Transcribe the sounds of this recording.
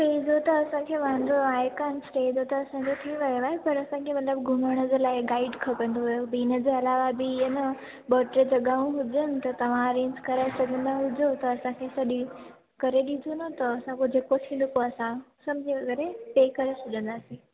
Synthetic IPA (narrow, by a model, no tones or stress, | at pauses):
ʈɐid͡ʑot̪ɐːsãkʰeːʋãə̃nd̪oaːjkaːnsɾeid͡ʑot̪ɐːsãɲd͡ʑot̪ʰiʋɐjoaːɦepɐɾɐsãkʰemɐt̪ləbɡʱʊməɽ̃əd͡ʑelaːɪɡaːɪɖkʰɐpə̃nd̪oɦɐjobiːnəd͡ʑeɐlaːʋabiənə | bɔːʈɾed͡ʑɐɠaːũɦʊd͡ʑənɪ̆t̪ɐt̪ɐʋ̤ãɐɾẽːɲd͡ʑkɐɾaːɪsɐɡə̃nd̪aɦʊd͡ʑot̪ɐːsãkʰesɐɗi | kɐɾeɗĩnd̪ʱonot̪ɐɐsãkod͡ʑʱeːkosʰĩlokoɐsãsɐmbd͡ʑʱiʋɐɡɛːɾeʈeːkɐɾesʊɗə̃nd̪aːsĩ